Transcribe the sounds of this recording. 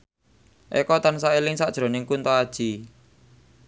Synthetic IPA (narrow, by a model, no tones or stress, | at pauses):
ʔḛkɔt̪ansaelɪŋsaʔd̥ʒ̥ɾo̤nɪŋkunt̪ɔad̥ʒ̥i